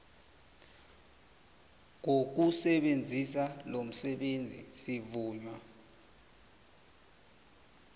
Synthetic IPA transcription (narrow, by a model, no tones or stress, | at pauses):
ŋok̬usɛɓend͡zʱisalom̩sɛɓend͡zʱḭsivuːɲwa